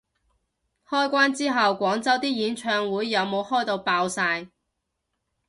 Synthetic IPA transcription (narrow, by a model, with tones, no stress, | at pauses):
hɔː˥jkʷwaː˥nt͡siː˥ɦɐ˨wkʷɔː˨˥ŋt͡sɐ˥wt̪iː˥jiː˨˥nt͡ʃʰœː˧ŋwuː˨˥jːɐ˨˧wmo˨˧whɔː˥jt̪o˧wpaː˧wsaː˧j